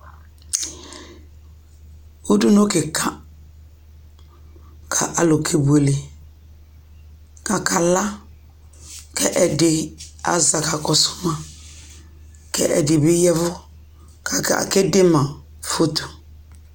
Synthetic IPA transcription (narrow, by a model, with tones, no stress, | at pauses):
u˦du˦no˦kɪ˨kʰa˦ | kʰa˨ʔa˨lo˨kʰe˨bu˨e˨le˨ | ka˨ka˨la˦ | kʰɛ˦ʔɛ˨dɪ˨a̰˨za˨ka˨kɔ˨sʊ̥˦mã˨ | kʰɛ̰˦ʔɛ̰˨dɪ˨bɪ˦jɛ˦vʊ˦ | kʰa˨˦a̰˨kɪ˦dɪ˦mã˨ | fo˦t̪u̥˨